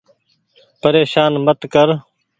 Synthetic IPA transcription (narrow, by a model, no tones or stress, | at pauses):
pəɾeːʃaːnmət̪kəɾ